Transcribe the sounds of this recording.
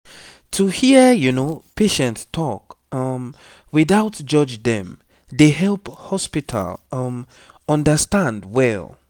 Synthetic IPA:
tʰuhijunopʰeʃɛ̃ntstʰɔk | ʌm | wiðaʊtd͡ʒʌd͡ʒdɛ̰̃m | deɦɛlˠphɔspitʰa̰lˠʌm | ʌ̃ndəstãndwɛl

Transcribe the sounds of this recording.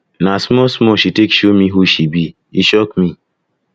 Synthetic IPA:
nasmɔsmɔʃitekʃomiɦuʃibi | iʃɔkmĩ

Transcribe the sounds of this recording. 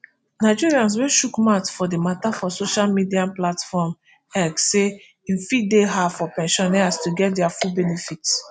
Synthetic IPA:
naɪd͡ʒiɹiãns̬wɛ̃ʃukmatfɔdematafɔsoʃalmidiaplatfɔm | ɛɡse | ĩnfideɦafɔpɛ̃nʃɔ̃nɛastuɡɛt̚dɛafubɛnefits

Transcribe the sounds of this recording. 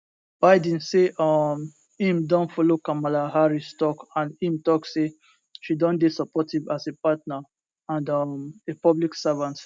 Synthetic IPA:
b̥aɪdĩnseʔɔm | ĩmdɔ̃nfɔlokamalaɦaɹistɔkãnĩmtɔkse | ʃidɔ̃ndesɔpɔtivasepatna | ãndɔmepɔbliksavãnt

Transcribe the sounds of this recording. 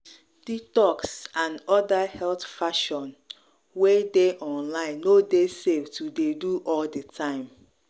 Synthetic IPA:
ditɔksãnɔdahɛltfaʃɔ̃n | wedeʔɔ̃nlãɪ̃nːodeseftudeduʔɔldətʰãɪ̃m

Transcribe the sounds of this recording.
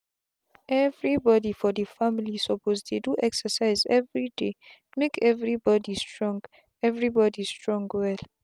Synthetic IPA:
ʔɛvɹibɔdifɔdəfamilisɔpʰozdeduʔɛksəsaɪzɛvɹide | mekʰɛvɹibɔdistʰɹɔ̃ŋɡ | ɛvɹibɔdistɹɔ̃ŋɡwɛl

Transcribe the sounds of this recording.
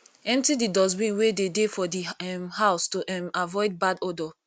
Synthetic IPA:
ɛ̃mp̚tididɔs̬bĩnwededefɔdiɛmhaʊstoʔɛmavɔɪd̚badɔdɔ

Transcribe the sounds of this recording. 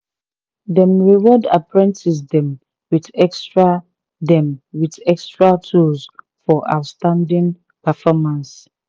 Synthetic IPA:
dɛ̃mɹiwɔda̰pɹɛ̃ntis̬dɛ̃m | widɛkstɹa | dɛ̃mwidɛkstɹatʰuls | fɔʔa̰ʊtstãndĩŋ | pəfɔmãns

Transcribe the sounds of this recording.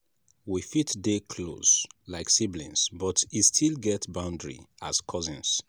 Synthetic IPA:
wifitdekʰlo̰slaɪksiblḭ̃nsbɔtistʰilɡɛtbãʊ̃ndɹḭaskʰɔzĩns

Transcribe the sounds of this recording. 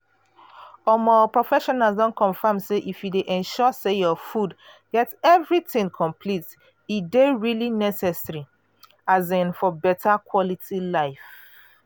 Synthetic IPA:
ɔmɔpɹɔfɛʃɔnalzdɔ̃nkʰɔ̃ɱfãmseʔifjudeʔɛ̃nʃɔsejɔfud | ɡ̥ɛtɛvɹitɪ̃ŋkʰɔ̃mpʰlit | ideɹilinɛsɛsɹi | azɛ̃nfɔbɛtʰakʰwɔlitʰilaɪf

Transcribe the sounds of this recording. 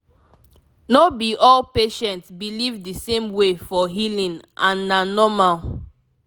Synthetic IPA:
nobiʔɔlpeʃɛ̃ntsbilivdisẽmwefɔɦilĩnʔãnːanɔmal

